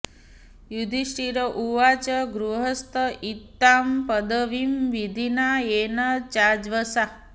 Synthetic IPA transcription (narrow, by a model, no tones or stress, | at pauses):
jud̪ʱiʃʈiɾəʔuʋat͡ʃəɡɾuɦəst̪əʔit̪ːampəd̪əʋimʋid̪ʱinaenət͡ʃad͡ʒʋəsa